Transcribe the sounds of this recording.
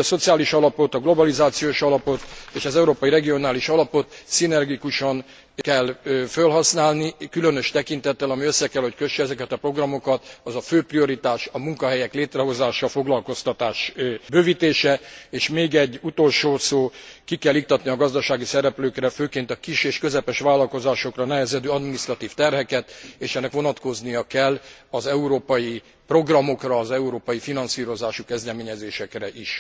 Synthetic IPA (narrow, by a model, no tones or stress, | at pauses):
so̞t̪sijaːliʃɒlɒpo̞t̪ɒɡlo̞bɒlizaːt̪sijoːʃɒlɒpo̞t̪eːʃɒzɛuɾoːpɒjiɾɛɡijo̞naːliʃɒlɒpo̞t̪sinɛrɡikuʃɒn | kɛlfølɦɒsnaːlnikylønøʃt̪ɛkint̪ɛt̪ːɛlɒmiø̞sːɛkɛlho̞ckø̞ʃɛɛzɛkɛt̪ɒpro̞ɡrɒmo̞kɒt̪ɒzɒføːprio̞ɾit̪aːʃɒmuŋkɒɦɛjɛkleːt̪rɛɦo̞zaːʃɒfo̞ɡlɒlko̞st̪ɒt̪aːʃbøːvit̪eːʃɛeːʃmeːɡɛɟːut̪o̞lʃoːsoːkikɛlːik̚t̪ɒt̪niɒɡɒzd̪ɒʃaːɡisɛɾɛpløːkrɛføːkeːnt̪ɒkiʃeːʃkø̞zɛpɛʃʋaːlːɒlko̞zaːʃo̞krɒnɛɦɛzɛd̪øːɒd̪minist̪rɒt̪iːft̪ɛrɦɛkɛt̪eːʃɛnːɛkʋo̞nɒt̪ko̞znijɒkɛlː | ɒzɛuɾoːpɒji | pro̞ɡrɒmo̞krɒːzɛuɾoːpɒjifinɒnsiːɾo̞zaːʃukɛzd̪ɛmeːɲɛzeːʃɛkrɛʔiʃ